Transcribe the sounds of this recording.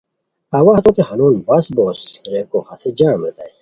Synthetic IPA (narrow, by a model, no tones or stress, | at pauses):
ɐwaht̪oːt̪ehɐnuːnbɐsboːsɾeːkohɐsed͡ʑaːmlet̪a̰j